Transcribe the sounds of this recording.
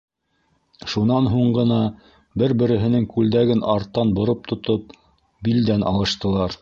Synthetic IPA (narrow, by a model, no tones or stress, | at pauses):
ʃunɑnɦuɴɢɤ̆nɑ | bɘɾbɘ̆ɾɘ̆ɦɘ̆nɘŋkʉld̪æɡɘnɑɾt̪ːɑnbŏɾop̚t̪ʰŏt̪op̚ | bild̪ænʔɑ̰lˠɤ̆ʃt̪ɤ̆lˠɑɾ